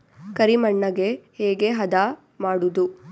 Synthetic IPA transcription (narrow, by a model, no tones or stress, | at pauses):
kɐɾimɐɳːɐɡe̞hɛːɡe̞ɦɐd̪a | maːɽud̪u